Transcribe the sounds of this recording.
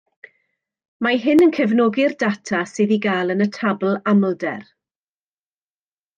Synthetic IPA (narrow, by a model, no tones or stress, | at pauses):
maɦɪnənkʰəvnɔɡɪrdatʰasɨːðiɡaːlˠənətʰabl̩ˠamlˠdɛ̰r